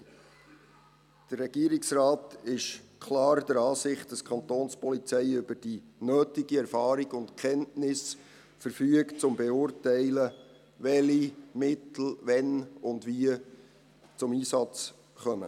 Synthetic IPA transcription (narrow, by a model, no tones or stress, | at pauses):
d̥ərːɛɡ̥iəɾiksrɑːtɪʃkʰlɑːɾd̥əɾɑːsɪχt̚d̥ɑskʰɑntoːnspɔlit͡sɛɪʏbəɾd̥inøːtɪɡiɛɾfɑːɾiɡʊntkʰɛnnɪs | fəɾfyəkt͡sʊmbɛʊːrtɛɪlə | ʋɛlimɪtl̩ʋɛnʊndʋiə | t͡sʊmiːsɑt͡s | χœmə̰